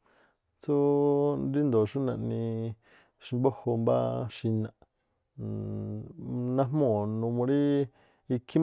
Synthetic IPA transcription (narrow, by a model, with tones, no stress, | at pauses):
t͡su˦nɾi˦nd̪o˨ʃu˦nã˧˨ʔnĩ˧ | ʃi˧mbo˦ho˧mba̰˦ʃi˧nã˧˨ | nã˧ɦmõ˦˨nũ˧mõ˧ɾi˦ | i˧kʰi˦m